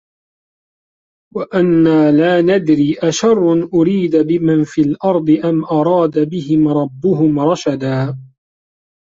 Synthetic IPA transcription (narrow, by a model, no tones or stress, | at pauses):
waʔanːaːlaːnad̪ɾiːʔaʃɑrˤːʊnʔʊɾiːd̪bɪmanfiːlʔɑɾˤd̪ˤɨʔamʔɑɾˤɑːd̪abɪɦɪmɾˤɑbːʊɦʊmɾˤɑʃad̪aː